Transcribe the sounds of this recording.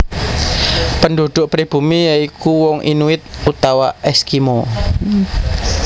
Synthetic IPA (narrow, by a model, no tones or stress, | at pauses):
pəndṳd̪̥ʊʔpɾib̥ṳmijaikuwɔŋʔḭnuɪt̪̚ut̪awaʔɛskimo